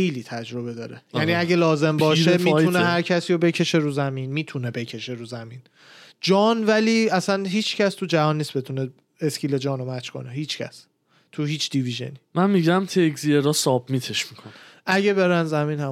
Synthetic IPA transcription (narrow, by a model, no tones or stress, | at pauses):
ejliːt̪ʰæd͡ʒɾo̞be̞d̪ɒːɾejæniæɟelɒːze̞mbɒːʃemmːt̪uneɦæɾcʰæsiːjobe̞cʰe̞ʃe̞ɾuzæmiːnmiːt̪ʰune̞be̞cʰe̞ʃe̞ɾuzæmin | d͡ʒɒːnvæliːæsænɦiːt͡ʃʰcʰæst̪ʰud͡ʒævɒːnːiːsbe̞t̪ʰune | escʰiːled͡ʒɒːnomæt͡ʃkʰo̰neɦiːt͡ʃʰcʰæ̰s | t̪ʰuhiːt͡ʃʰd̪̥iviʒḛniːmænmiɟæmt̪ʰeɡzieɾɒsɒːbmit̪ʰeʃmikʰonʔæɟebe̞ɾænzæmiːnhæ